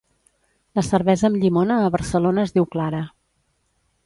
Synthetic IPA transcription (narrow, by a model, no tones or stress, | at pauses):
ləsəɾβɛzəːmʎimonəːβəɾsəlonəːzðiwklaɾə